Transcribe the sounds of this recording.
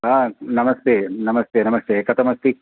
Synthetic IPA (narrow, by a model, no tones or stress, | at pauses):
ɦaːnɐmɐst̪eːnɐmɐst̪eːnɐmɐst̪eːkɐt̪ʰɐmɐst̪i